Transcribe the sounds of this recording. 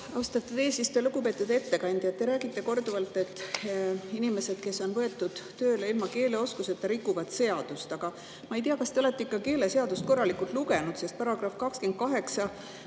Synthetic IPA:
ɑwst̪ɑt̪ːˑed̪eːsist̪eluɡ̥upe̞ːt̪ːˑud̪e̞t̪ːe̞kɑnʲd̪jɑt̪ːe̞ɾæːɡ̥it̪ːe̞ko̞rd̪uvɑlt̪ːˑe̞t̪ːˑ | inime̞se̞d̪̥̚ke̞sːo̞nvɤ̞e̞t̪ːˑud̪̥ːø̞ːleilmɑke̞ːle̞o̞skuse̞t̪ːɑɾikˑːuvɑd̪se̞ɑd̪̥ust̪ɑɡ̥ɑ | mɑejt̪̬iɑkɑst̪e̞o̞le̞t̪ːˑeikːɑke̞ːle̞se̞ɑd̪ust̪̚ko̞rːɑlikːˑult̪ˑluɡe̞nud̪se̞st̪̚pɑɾɑɡ̥rɑfkɑkskent̪̚kɑɦe̞ksɑ

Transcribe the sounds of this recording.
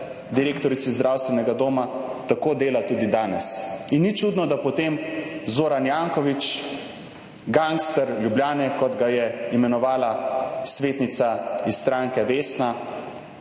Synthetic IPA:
d̪iɾeːkt̪ɔɾit̪sizd̪ɾawst̪ʋɛnɛɡad̪oːmat̪akoːd̪eːlat̪uːd̪id̪aːnɛsinːit͡ʃuːd̪nɔd̪apɔt̪eːmzoːɾanjaŋkɔʋit͡ʃ | ɡaŋkst̪əɾljubljaːnɛkɔd̪ɡajɛimɛnɔʋaːlasʋeːt̪nit̪saisst̪ɾaːŋkɛʋeːsna

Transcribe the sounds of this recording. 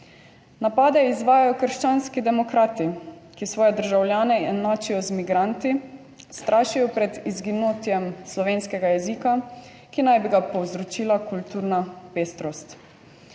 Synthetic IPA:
napaːd̪ɛizʋaːjajɔkəɾʃt͡ʃanskid̪ɛmɔkɾaːt̪ikisʋɔːjɛd̪əɾʒawljaːnɛɛd̪naːt͡ʃijɔzmiɡɾant̪i | st̪ɾʔaːʃijɔpɾɛd̪izɡinoːt̪jɛmslɔʋeːnskɛɡajɛziːka | kinajbiɡapɔwzɾɔt͡ʃiːlakult̪uːɾnapeːst̪ɾɔst̪

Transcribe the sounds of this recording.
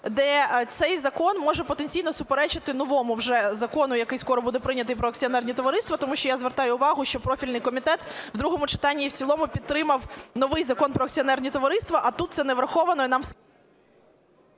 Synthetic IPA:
d̪ɛt̪sɛjzɐkɔnmɔʒɛpɔt̪enʲt͡sʲijnɔsʊpeɾɛt͡ʃɪt̪ɪnɔʋɔmʊwʒɛzɐkɔnʊjɐkɪjskɔɾɔbud̪ɛpɾɪnʲɐt̪ɪjpɾɔɐk̚t͡sʲiɔnɛrnʲit̪ɔʋɐɾɪst̪ʋɐt̪ɔmuʃt͡ʃɔjazʋerɾt̪ɑjʊːʋɑɦʊʃt͡ʃɔpɾɔfʲilʲnɪjkɔmʲit̪ɛt̪ʋd̪ɾuɦɔmʊt͡ʃɪ̥t̪ɑnʲːiwt͡sʲilˠɔmʊpʲid̪̚t̪ːɾɪmɐwnɔʋɪjzɐkɔnpɾɔɐkt͡sʲiɔnɛrnʲit̪ɔʋɐɾɪst̪ʋɐʔɐt̪ut̪t̪sɛnɛʋɾɐxɔʋɐnɔnɑm

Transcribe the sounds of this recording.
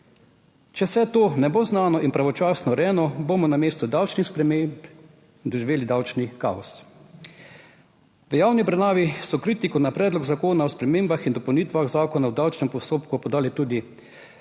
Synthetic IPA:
t͡ʃɛwsɛt̪oːnɛboːznaːnɔʔinpɾaʋɔt͡ʃaːsnɔɾɛːnɔbomɔnameːst̪ɔd̪awt͡ʃnixspɾɛmemp | d̪ɔʒiʋeːlid̪awt͡ʃnika̰ːɔs | ʋəjawnibɾɛnaːʋisɔkɾiːt̪ikɔnapɾɛːd̪lɔɡzakoːnaɔspɾɛmeːmbaxind̪ɔpɛwniːt̪ʋaɣzaːkɔnawd̪awt͡ʃnɛmpɔst̪oːpkupɔd̪aːlɛt̪uːd̪i

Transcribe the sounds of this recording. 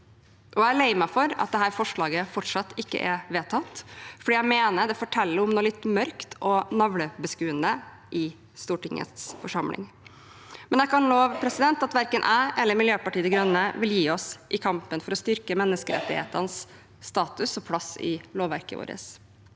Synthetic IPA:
ʔɔæɭeɪməfɔɾɑ̰t̪̚d̪ɛɦæːɾfɔʂɭɑːɡəfɔʈʂɑt̪ːɪkːə̰ʔɛʋeːt̪ʰɑt̪fɔɖiːæɪmeːnəɖ̪ɛfɔʈʰɛlːəɾɔmnoːlɪt̪ːmœɾkt̪ʰɔnɑʋləbəskʉːənd̪ə | ʔɪ | st̪uːʈɪŋə̰t̪sfɔʂɑmlɪ̰ŋ | mɛnjækʰɑnloːʋpʰɾɛsɪd̪ɛnt̪ɑt̪ʋæɾkənʔæːʔɛlːəɾmɪljøːpɑʈiːd̪ɛɡɾœnːəʋɪljiːɔsʔɪkʰɑmpənfɔɾɔst̪ʏɾkəmɛnːəskəɾɛ̰t̪ːɪhḛːt̪ənsː | t̪ɑːt̪ʉsɔpʰlɑsɪ̰loːʋæ̰ɾkəʋo̰ːɾə̰s

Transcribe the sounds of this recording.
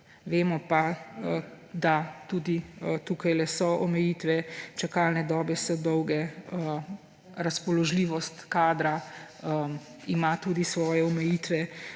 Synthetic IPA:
ʋeːmɔpa | d̪at̪uːd̪it̪uːkajlɛsɔʔɔmɛjiːt̪ʋɛt͡ʃakaːlnɛd̪ɔːbɛsɔd̪ɔwɡɛə | ɾaspɔlɔʒliːʋɔst̪kaːd̪ɾa | imat̪uːd̪isʋɔːjɛɔmɛjiːt̪ʋɛ

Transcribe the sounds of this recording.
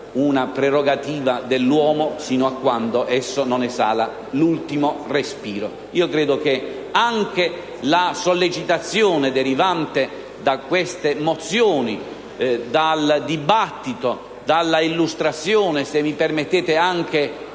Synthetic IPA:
unapɾɛɾoɡat̪iːvad̪elːwɔːmosiːnoakːwand̪oʔɛsːononɛsa̰ːla | lult̪imorespiːɾo̰ | iːokɾeːd̪ok̟e | aŋk̟e | lasolːet͡ʃit̪at̪sːjoːned̪eɾivant̪e | d̪akːwest̪emot̪sːjoːni | d̪ald̪ibat̪ːit̪o | d̪alːailːust̪ɾat̪sːjoːnesemːipɛrmet̪ːeːt̪eaŋk̟e

